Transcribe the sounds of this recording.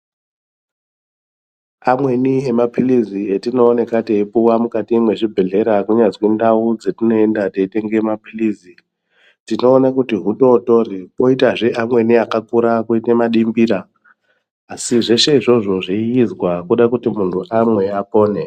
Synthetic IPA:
amwe̞niemapʰilizietino̞ːne̞kateipuwamukatiimwe̞ʐibʱe̞ɮe̞ɾakuɲad͡zkwendaud͡zetino̞endateite̞ŋɡemapʰiliːzi | tino̞ːnakutiɦuto̞to̞ripo̞itaʐeʔamwe̞niakakuɾakuitemaɗimbiɾaː | siʐe̞ʃe̞iʐo̞ʐo̞ʐiiizwakuɗakutimuntʰuʔamwe̞apo̞ːne̞

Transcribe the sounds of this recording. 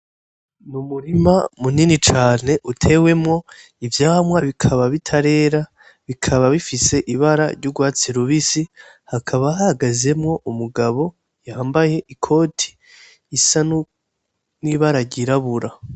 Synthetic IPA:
numuɾima̰muninit͡ʃaːne̞ʔutʰe̞we̞mŋo̞ | ivjaːamwaβikʰaβaβitʰaɾe̞ːɾa | βikʰaβaβifise̞ʔiβaɾa̰ɾɟuɡwaːt͡siɾuβisi | hakʰaβaɦahaɡaze̞mŋo̞ʔumuɡaβo̞ | jaaːmbaje̞ʔikʰo̞ːtʰi̥ː | san | niβaɾaɾɟiɾaβuɾa

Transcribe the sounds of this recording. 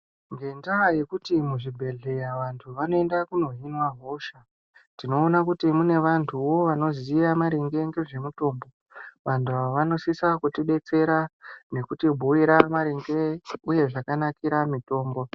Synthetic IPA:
ŋɡe̞ndaːje̞kutimuʐibʱe̞ɮe̞jaʋantʰuʋano̞e̞ndakuno̞ɦinwaɦo̞ʃa | tino̞ːnakutimune̞ʋantʰuʋo̞ʋano̞ziijamaɾeŋɡe̞ŋɡe̞ʐe̞muto̞ːmbo̞ | ʋantʰuaʋano̞sisakutiɗe̞t͡se̞ɾane̞kutibʱuiɾamaɾeŋɡe̞uje̞ʐakanakiɾamito̞ːmbo̞

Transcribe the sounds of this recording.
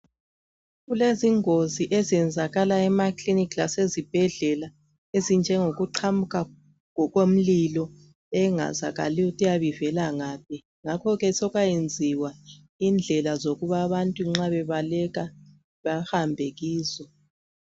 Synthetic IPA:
ɣuleziŋoziʔezɛnd͡zʱaɣalaɛmaklinikʰlasezib̥ʱɛɮɛla | ezind͡ʒʱɛŋoɣuǃʰamukʰʼa | ŋɔɣwom̩lilɔ | ɛŋa̰za̰ɣa̰liutʼijaβivɛlaŋaːp̚ʰi | ŋakʰɔɣɛsɔɣajend͡zʱiwa | ind͡ɮʱɛlazoɣuβaβantʼuŋ͡ǁaβɛβalɛɣa | βahambʱɛɣiːzɔ

